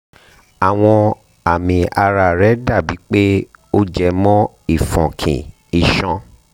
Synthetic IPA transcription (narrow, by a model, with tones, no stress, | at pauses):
a˨w̃ɔ̃˧ | a˨mĩ˧a˧ɾa˧˨ɾɛ˨˦da˦˨bi˨˦k͡pe˦o˦d͡ʒɛ˧mɔ̃˦ | i˦˨fɔ̃˨kʰḭ̃˨ | i˨ʃɔ̃˧